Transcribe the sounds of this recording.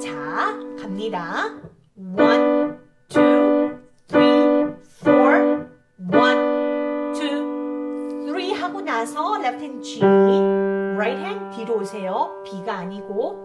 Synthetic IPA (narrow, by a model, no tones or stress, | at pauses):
t͡ɕakamɲida | wʌn | t̪ʰɾi | t̪ʰɾifʰoɹ | wʌntʰu | t̪ʰɾiɦaɡunasʰʌlep̚tʰent͡ɕiniɾajt̚hentiɾosʰejopiɡaːɲiɡo